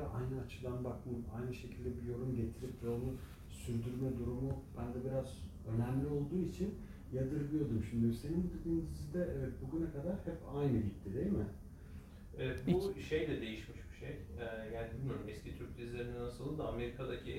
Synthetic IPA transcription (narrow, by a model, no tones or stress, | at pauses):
ʔajnɯat͡ʃʰɯd̪anbakmɯa̰jnɯʃe̞cʰilʲd̪ɛbijo̞ɾumɟe̞t̪ʰiɾipvonu | syɾd̪yɾmɛd̪uɾumub̥ænd̪ɛbiɾaz | ø̞næmlʲio̞lˠd̪uːit͡ʃʰin | jad̪ɯɾlˠɯjo̞d̪umʃimd̪ise̞ninbud̪ed̪iːnzizid̪ɛʔɛvɛt̪̚buɡynakʰad̪aɾhɛpajnɯɟit̪ʰːid̪e̞jmɪ | ɛvɛt̪buʃe̞jlʲɛd̪e̞jiʃmiʃbi̥ʃejɛjæːnib̪imanɯmɛscit̪ʰyɾc̚t̪ʰizlʲeɾininasɯlˠɯd̪aame̞ɾikʰad̪acʰi